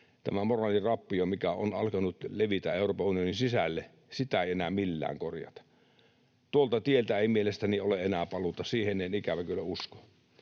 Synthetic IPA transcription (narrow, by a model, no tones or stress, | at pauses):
t̪æ̰mæmorɑːlirɑpːiomikæo̰nɑ̰lkɑnut̪leʋit̪æeˑuroːpɑunijoninsisælːe | sit̪æeˑienæmilːæ̰ːŋkorjɑ̰t̪ɑ̥ | t̪uolt̪ɑt̪ielt̪æeˑimielest̪ænioleʔenæːpɑlut̪ɑsiːhenːˑenikæʋækølæusko̥